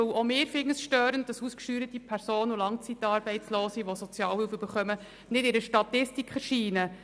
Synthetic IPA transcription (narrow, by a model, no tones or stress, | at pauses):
ɵwomɪːɾfɪŋːəsʃtøːɾənt̚d̥ɑsuːskʃtyːɾətipʰæɾsoːnulɑŋt͡sitɑːɾb̥ɛɪt͡sloːsiʋosɔt͡sjɑːlhɪlføbəɾχœmə | nɪdɪɾəʃtɑt̪ɪstikχəʃiːnə